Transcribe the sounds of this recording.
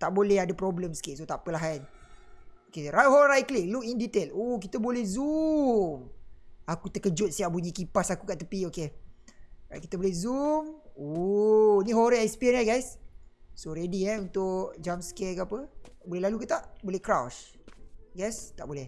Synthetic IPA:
t̪aʔbolɛhadapɾɔbləmsə̥kiʔsot̪aʔpəlaɦan | okeɾajɦoɾajklikluk̚indit̪elohk̬it̪əbolɛhzumakut̪əkəd͡ʒʊt̪̚siaʔbuɲikipasakukaʔt̪əpioke | aki̥t̪əbolɛhzumo | niɦoɾaɛspiɛnaɡajssoɾediɛunt̪ʊʔd͡ʒamskɛkapət̪aʔbolɛɦlalukət̪aʔbolɛhkɾawʃ | ɡajst̪a̰ʔbolɛh

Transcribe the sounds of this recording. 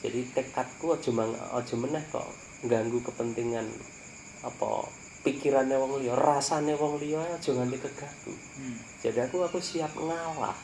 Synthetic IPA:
dd͡ʒ̥adit̪ekat̪̚kuɔd̥ʒ̥ɔ̤maŋɔ̰d̥ʒ̥ɔ̤mənɛhkɔ̰ʔ | ŋɡaŋɡukəpənt̪iŋan | apɔ̰ | pikiɾanːewɔŋlijɔrasanewɔŋlijɔeɔd̥ʒ̥ɔ̤ŋandikəɡ̥a̤ɡ̥ṵ | d̥d͡ʒ̥adiakuakusiap̚ŋala̰h

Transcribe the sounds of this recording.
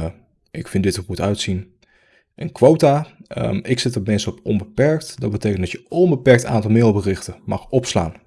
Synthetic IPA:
ʔɪkfɪndɪtəmutœɥtsin | ʔənkʋowtaːə̰ɪksɪtəɹmɛnsəɔpɔnbəpɛɹktdɑd̚bətejkəndɑtjəɔnbəpɛɹk̚ta̰ːntɑlˠmɪdl̩ˠbərɪχtəmɑχɔpsla̰ːn

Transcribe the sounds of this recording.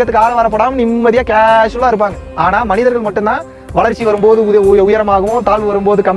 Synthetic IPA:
ɐt̪ːɯkːaːlɐ̃ʋɐɾɐpːɐɽaːmɐnɪmːɐðɪjaːkeːsɯlːaːɪɾɯp̬ːaːŋɡɐ | aːnaːmɐnɪðɐɾɣɐɭmɐʈːɯnt̪ãː | ʋɐɭɐɾt͡ʃːiʋɐɾɯmpoːðɯʊʊjɐɾɐmaːɣɐʋʊ̃t̪aːlʋɯʋɐɾɯmpoːðɯkɐm

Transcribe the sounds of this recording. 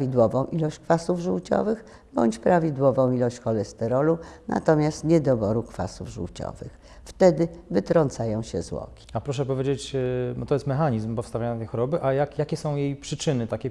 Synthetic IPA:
vʲid̪wɔvɔ̃w̃ʔilɔɕt͡ɕkfasuvʐuwt͡ɕɔ̰vɘx | bɔ̰ɲt͡ɕpɾavʲid̪wɔvɔ̃w̃ilɔɕt͡ɕxɔlɛst̪ɛɾɔlunʔa̰t̪ɔmʲjast̪ɲɛd̪ɔbɔɾukfa̰sṵvʐṵwt͡ɕɔ̰vɘ̰x | ft̪ɛd̪ɘvɘt̪ɾɔnt̪sajɔ̃w̃ɕɛzwɔ̰kʲi̥apɾɔʂ̬ɛpɔvʲjed͡ʑet͡ɕbɔt̪ɔjɛst̪mɛxaɲizmpɔfst̪avʲaɲat̪t̪ɛjxɔɾɔbɘʔajakjakʲɛsɔ̃w̃jejpʂɘt͡ʂɘnɘt̪akʲɛ

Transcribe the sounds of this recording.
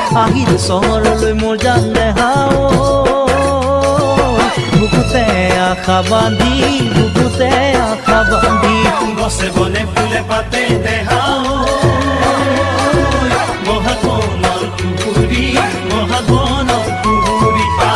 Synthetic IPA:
aɦitɛsɔɦɔɹɔlojmoɹzand̪ɛɦaw | j | buɡut̪ɛakʰaband̪ʱibuɡbut̪ɛakʰaband̪ʱibɔsɛbɔnɛpʰulɛpat̪ɛd̪ɛɦaw | j | mɔɦakɔnɔɾtukubi | mɔɦaɡɔnɔ | t̪uubia

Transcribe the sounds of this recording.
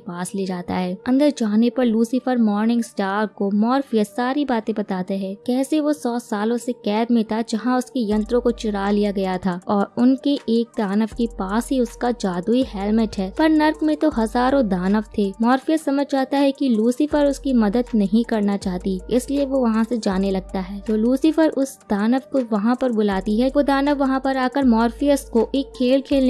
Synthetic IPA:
epaːsleːd͡ʒaːt̪a̰ɦɛːɐ̃nd̪əɾd͡ʒaːnepɐɾluːsɪfəɾmɔːɾnɪ̃ŋɡsʈaːɾkomɔːɾfijəsaːɾibaːt̪ẽbɐt̪aːt̪eɦɛ̃ːkɛːseʋosɔːsaːlõsekɛːd̪mẽt̪ad͡ʒɐɦãʊskejɐ̃nt̪ɾõkot͡ʃɪɾaːlijaɡɐjat̪ʰaːɔːɾʊnkeʔeːk̚d̪aːnəʋkepaːsɦiʊskad͡ʒaːd̪uiɦɛːlmeʈɦɛːpɐɾnɐɾkmẽt̪oɦɐzaːɾõd̪aːnəʋt̪ʰeːmɔːɾfijəsɐməd͡ʒʱt͡ʃaːt̪aɦɛkiluːsɪfəɾʊskimɐd̪əd̪nɐɦĩkɐɾnat͡ʃaːɦt̪iɪslieʋoʋɐɦãsed͡ʒaːnelɐɡ̚t̪aɦɛːt̪oːluːsɪfəɾʊsd̪̥aːnəʋkoʋɐɦãpɐɾbʊlaːt̪iɦɛʋod̪aːnəʋʋɐɦãpɐɾaːkəɾmɔːɾfijəskoʔeːkʰːeːlkʰeːl

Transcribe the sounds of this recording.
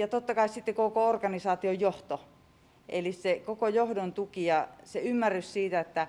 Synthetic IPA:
jɑt̪ot̪ːɑkɑissit̪ːekokoorkɑnisɑːt̪iojjoht̪o | ʔḛlissekokojohdont̪ukijɑseymːærːyssiːt̪æet̪ːæ

